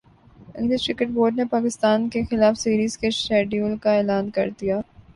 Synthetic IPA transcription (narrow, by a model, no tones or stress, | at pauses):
ɪ̰ɡlɪskɾɪkəʈ̚boːɾɖnepaːkɪst̪aːnkexɪlaːfsiːɾiːzkeʃɛːɖijuːlkaeːlaːnkɐ̰ɾd̪ijaː